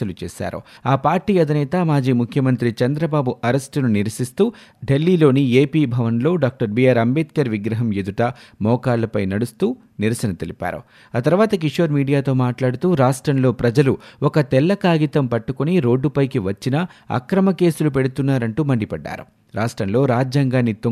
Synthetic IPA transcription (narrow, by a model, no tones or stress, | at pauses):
ɐlut͡ʃɛ̰ːʃa̰ːɾṵaːpaːɾʈiːɐd̪ʱinɛːt̪ɐmaːd͡ʒiːmukʰjɐmɐnt̪ɾit͡ʃɐnd̪ɾɐbaːbuʔɐɾesʈununiɾɐsist̪uː | ɖe̞lːiːlo̞ːnieːpiːbʱɐʋɐnlo̞ːɖaːk̚ʈɐɾbiaːɾɐmbeːt̪̚kɐɾʋiɡɾɐɦɐmjed̪uʈɐmɔːkaːlːɐpɐjnɐɽust̪uː | niɾɐsɐnɐt̪elipa̰ːɾṵ | aːt̪ɐɾʋaːt̪ɐkiʂoːɾmiːɖijaːt̪o̞ːmaːʈlaːɽut̪uːɾaːʂʈɾɐmlo̞ːpɾɐd͡ʒɐluɔkɐt̪ɛlːɐkaːɡit̪ɐmpɐʈːukuniɾo̞ːɖːupɐjkiʋɐt͡ʃːinɐɐ̰kɾɐmɐke̞ːsulupe̞ɽut̪unːaːɾɐɳʈuːmɐɳɖipɐɖːa̰ːɾṵ | ɾaːʂʈɾɐmlo̞ːɾaːd͡ʒjaːŋɡaːnːit̪u